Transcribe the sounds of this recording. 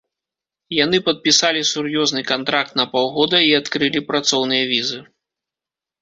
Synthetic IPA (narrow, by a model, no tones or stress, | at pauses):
janɨpɐt̪̚pʲisalʲisurjɔznɨkant̪ɾak̚t̪nɐpawɣɔd̪ɐiat̪kɾɨlʲipɾat̪sɔwnɨjɐvʲizɨ